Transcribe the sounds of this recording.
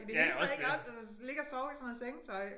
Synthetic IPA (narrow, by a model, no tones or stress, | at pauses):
id̥eheːleɡɐɒsælsə | le̝ɡ̥ɐsɒʊisɔnð̩ˠseŋt͡sʰɒ̽ɪ̰